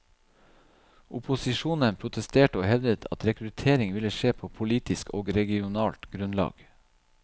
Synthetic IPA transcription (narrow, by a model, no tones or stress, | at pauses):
ʊpʊsɪʃuːnənpʰɾʊt̪ʰəst̪eːʈəoːhɛʋd̪ət̪ʰɑ̰t̪ɾɛkɾʉt̪ʰeːɾɪŋʋɪləʃeːpʰoːpʰʊliːt̪ɪsko̰ːɡɾɛɡɪʊnɑːlt̪ɡɾʉnlɑ̰ːɡ̥